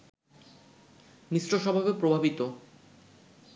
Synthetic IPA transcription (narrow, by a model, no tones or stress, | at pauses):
nisɾoʃɔbʱabepɾobʱabit̪o